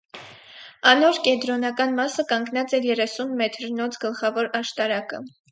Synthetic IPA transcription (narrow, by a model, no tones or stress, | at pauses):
ɑnɔɾkɛd̪ɾɔnɑkɑnmɑsəkɑŋɡnɑt͡sɛjɛrɛsunmɛt̪ʰɾnɔt͡sʰɡəlχɑvɔɾɑʃt̪ɑɾɑkə